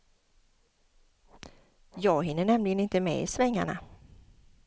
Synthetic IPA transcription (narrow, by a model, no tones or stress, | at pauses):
jɑːɡɦɪnːəɳɛmlɪɡənɪnt̪əmɛ̰ɪ̰svɛŋːa̰ɳa̰